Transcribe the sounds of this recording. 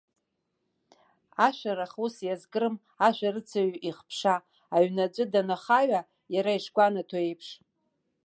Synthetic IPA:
aʃʷᶣaɾaχusjazɡɨɾɨm | aʃʷᶣarɨt͡sʰaɥʔiχpʰʂaː | ɥnad͡ʒʷʼɨdanaχaɥa | jaɾaiʂɡʷanatʰaejpʰʂ

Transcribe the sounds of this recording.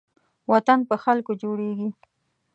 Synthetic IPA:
wat̪anpəxalkod͡ʒoɽeɡi

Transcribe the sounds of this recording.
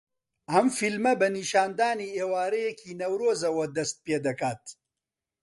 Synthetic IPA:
ɐmfilmɐbɐniʃaːnd̪aːniːeːwaːɾɐjekʰiːnɐwɾoːzɐwɐd̪ɐst̪̚peːd̪ɐkaːt̪̚

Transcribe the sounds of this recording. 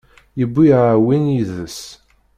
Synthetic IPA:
jəbːiʕawinjiðəs

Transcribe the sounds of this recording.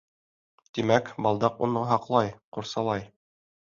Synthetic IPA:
t̪imækbɑlˠd̪ɑqṵɴɤɦɑqlˠɑjquɾsɑlˠɑj

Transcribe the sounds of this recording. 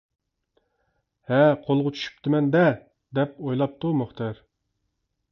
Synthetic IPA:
hɛqʰolˠʁʊt͡ʃʰy̥ʃy̥pt̪ʰɪmɛnd̪ɛ | d̪ɛp̚ojlˠɑp̚t̪ʰumoχt̪ʰɑɾ

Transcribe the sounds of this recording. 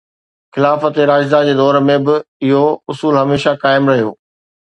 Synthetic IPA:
xɪlaːfət̪eɾaːd͡ʒzad͡ʑeːd̪ɔːɾmẽbɪɪɦoʊsuːlɦɐmeːʃakaːɪmɾɐɦijoː

